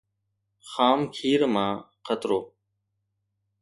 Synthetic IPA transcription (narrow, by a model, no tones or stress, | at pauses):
xaːmkʰiːɾmãːqʰət̪ɾoː